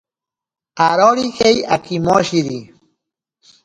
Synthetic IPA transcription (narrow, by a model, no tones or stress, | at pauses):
aɾoɾixeja̰kimoʃiɾi